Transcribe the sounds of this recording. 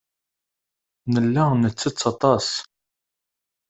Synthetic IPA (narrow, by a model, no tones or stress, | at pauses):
nəlːænət͡sːət͡sːɑt̪ˤɑs